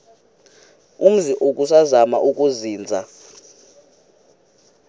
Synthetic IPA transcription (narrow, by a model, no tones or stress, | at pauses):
um̩ziʔok̬ʼusazama̰ʔuk̬ʼuziːnd͡zʱa